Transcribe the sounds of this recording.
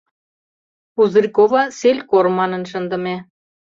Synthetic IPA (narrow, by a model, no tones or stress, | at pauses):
uzrikovɑselʲkormɑnə̆nʃə̆nd̪ə̆me